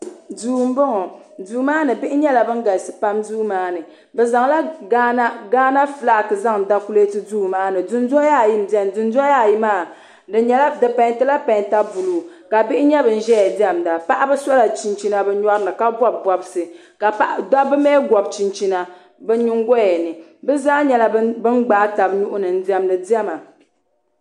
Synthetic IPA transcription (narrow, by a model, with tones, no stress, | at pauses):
duː˨m̩˦bɨ˦ŋɔ˨duː˨maː˦nɨ˨bɪ˦ʔɪ˦ɲɛ˦la˨bɨ˦ŋ˦ɡa˨lsɨ˨pa˦mduː˦maː˦nɨ˨ | bɛ˨za˨ŋla˦ɡa˦na˦ɡaː˦na˦fɨ˨la˨kɨ˨za˦ŋ˨da˦ku˦le˦tɨ˦duː˦˨maː˦nɨ˨du˨n˦zɔ˦ja˦˨ji˦m̩˨di˦ɛ˦˨m˨du˨nzɔ˦ja˦˨ji˦maː˦˨ | dɨ˨ɲɛ˦la˦dɨ˨pa˨˦tɨ˦la˦pã˨jta˦bu˨luː˨ | ka˨bi˦ʔɪ˦ɲɛ˦bɨ˨n̩˦ʒɛ˦jɛ˨di˦ɛ˦mda˨pa˦ʔa˦bɨ˦sa˦la˨t͡ʃi˨nt͡ʃi˦na˨bɛ˦ɲɔ˦ɾɨ˦nɨ˨ka˦bɔ˦b̚bɔ˨bsɨ˨ | ka˨pa˨ʔda˦bɨ˦mɛː˦ɡʷɔ˨bt͡ʃi˨nt͡ʃi˦na˨ | bɨ˦ɲi˦ŋɡɔ˦jɛ˨nɨ˨bɛ˦zaː˦ɲɛ˨la˦bɨ˦nɡ͡baː˦ta˨bnu˦ʔʊ˦nɨ˨n̩˦di˦ɛ˦mnɨ˨di˦ɛ˦ma˨